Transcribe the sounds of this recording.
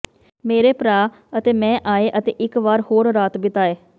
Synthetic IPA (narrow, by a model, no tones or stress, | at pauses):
meːɾeːpɾaː | ət̪eːmɛ̃ːʔaːeːʔət̪ḛːʔɪkʋaːɾhoːɾɾaːt̪bɪt̪aːeː